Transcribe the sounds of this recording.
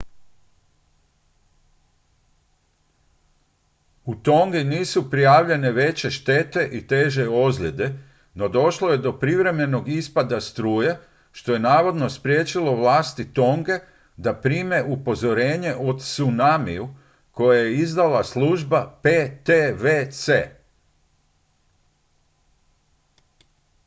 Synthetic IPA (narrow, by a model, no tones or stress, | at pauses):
ut̪o̞ŋɡiniːsupɾijaːʋʎe̞ne̞ʋe̞t͡ɕe̞ʃt̪e̞t̪e̞ʔit̪e̞ːʒe̞ozʎʲe̞d̪e̞ | no̞d̪o̞ʃlo̞je̞d̪o̞pɾiʋɾe̞me̞no̞ɡispad̪ast̪ɾuːja | ʃt̪o̞je̞naːʋo̞d̪no̞spɾjeːt͡ɕilo̞ʋlaːst̪it̪o̞ŋɡe̞ | d̪apɾiːme̞ʔupo̞zo̞ɾe̞ːɲe̞ʔo̞d̪sunamiju | ko̞jajeizd̪alasluːʒbapet̪eʋet̪seː